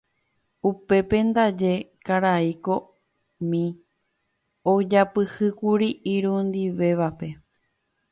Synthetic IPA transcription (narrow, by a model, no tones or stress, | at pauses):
upe̞pe̞nd̪ad͡ʒe̞kaɾaiko̞ | mĩ | od͡ʒapɨhɨkuɾiʔiɾũnd̪iʋe̞ʋape̞